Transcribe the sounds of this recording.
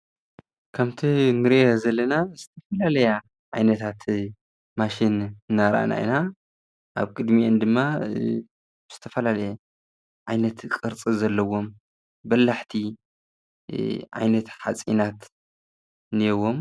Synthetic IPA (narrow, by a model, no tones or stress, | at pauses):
kʰɐmt̪ʰinɨɾʔeezɐlːɐnazɨt̪ʰɐfɐlalɐja | ʕajnɐt̪ʰat̪ | maʃinɨnːaɾʔa̰na̰ḭna | ʔa̰βkʼɨd̪miʔend̪ɨmːa | bɨz̥ɨ̥t̪ʰɐfɐlalɐja | ʕajnɐt̪kʼɨɾt͡sʼizɐlːɐwo̞m | bɐlːaħt̪ʰi | ʕa̰jnɐt̪ħa̰t͡sʼḭnat̪ | nijɛwo̞m